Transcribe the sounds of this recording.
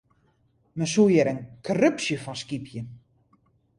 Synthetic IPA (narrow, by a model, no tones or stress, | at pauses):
məsujɛɾənkʰɔrøpsjəfɔnskipʰjə